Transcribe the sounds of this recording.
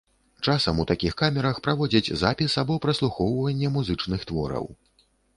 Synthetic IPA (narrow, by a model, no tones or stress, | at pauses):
t͡ʂasɐmut̪akʲixkamʲɛɾɐxpɾavɔd͡zʲɐd͡zʲzapʲisabɔpɾɐslˠuxɔwvɐnʲːɛmuzɨt͡ʂnɨxt̪vɔ̰ɾɐ̰w